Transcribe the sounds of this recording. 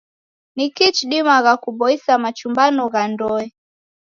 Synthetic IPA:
nikit͡ʃɗimaɣakuɓɔisamat͡ʃumbanɔɣandɔɛ

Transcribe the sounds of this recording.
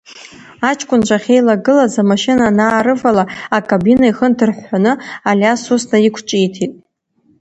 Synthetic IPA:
at͡ʃʰʼkʷʼʊnt͡ʃʷʼaχʲejlaɡɨlazamaʃɪnanaːɾɨvalaakʼabinaiχəndʰɨrħʷːanɨalʲasusnaikʷʰt͡ʃʷʼijtʰitʼ

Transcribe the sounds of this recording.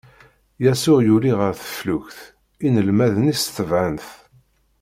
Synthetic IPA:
jæsʊʁjuliʁəɾθə̥fluçθ | inəlmæðənisθəvʕanθ

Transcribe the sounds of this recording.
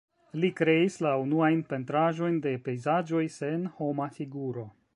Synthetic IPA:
likɾe̞islaunuajnpe̞ntɾaʒo̞jnde̞pe̞jzad͡ʒo̞jse̞nho̞mafiɡuɾo̞

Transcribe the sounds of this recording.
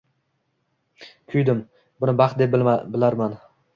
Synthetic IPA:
kʲʰʊjd̪ɪm | bʊnɪbɑχt̪̚d̪ebɪlaɾman

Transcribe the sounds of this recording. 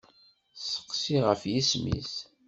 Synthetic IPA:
sə̥qːsiʁəfjismḭs

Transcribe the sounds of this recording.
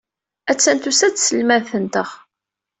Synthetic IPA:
æt͡sːænt̪usæt͡ssəlmænθənt̪əʁ

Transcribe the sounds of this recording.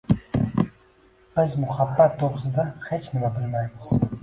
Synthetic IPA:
b̥əzmuχabːat̪̚d̪oʁzɨd̪aχet͡ʃnɨmabɨlmajmɨz̥

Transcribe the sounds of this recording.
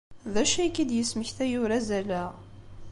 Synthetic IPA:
ðæʃækːid̪jəsməçθæjʊɾæzælæ

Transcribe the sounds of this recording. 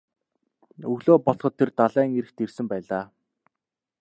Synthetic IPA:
ɵɣɮoːpɔɮχɞ̆t̪ʰːert̪aɮæːŋeɾɘ̆xt̪ersɘ̆mpæːɮaː

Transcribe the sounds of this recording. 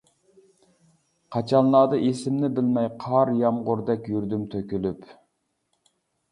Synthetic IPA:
qʰɑt͡ʃʰɑnlˠɑːd̪ɨʔesɪmnɪbɪlmɛjqʰɑɾjɑmʁʊɾd̪ɛkʲjyɾd̪ymt̪ʰøkʲylyp

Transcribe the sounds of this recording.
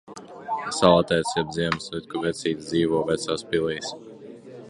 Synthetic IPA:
salˠat̪ʲɛːt̪sjɛb̚d̪ziɛmslit̪̚kuvʲɛt̪sʲiːt̪zd̪iːʋɔːvʲɛt̪saːspilˠiːs

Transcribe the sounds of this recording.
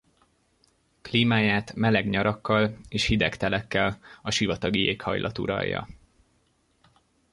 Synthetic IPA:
kliːmaːjaːt̪mɛlɛɡɲɒɾɒkːɒleːʃhid̪ɛkt̪ɛlɛkːɛlɒʃivɒt̪ɒɡijeːkhɒ̰jlʔɒ̰t̪ṵɾɒ̰jːɒ̰

